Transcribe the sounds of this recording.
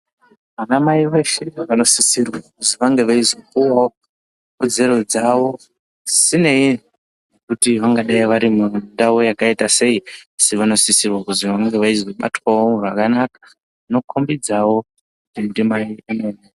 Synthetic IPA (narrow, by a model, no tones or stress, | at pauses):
ʋanamaiʋe̞ʃe̞ʋano̞sisirwakuziʋaŋɡe̞ʋaizokuwao | kod͡ze̞ɾo̞d͡zaʋo̞ | sine̞i | nekutiʋaŋɡaɗaiʋaɾimundaujakaitase̞iasiʋano̞sisirwakuziʋaŋɡe̞ʋaizoɓa̰twaorakanakḁ | ano̞kʰombid͡zawo̞ | kutindimaiano̞ne